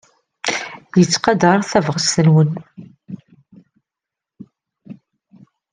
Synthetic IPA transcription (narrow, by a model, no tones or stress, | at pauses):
jət͡sːqɑd̪əɾˤθævʁəst̪ənwən